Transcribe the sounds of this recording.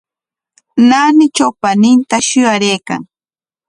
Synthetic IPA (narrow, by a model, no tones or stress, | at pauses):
naːnɪt͡ʃawpanɪnt̪aʃʊjaɾejka̰ŋ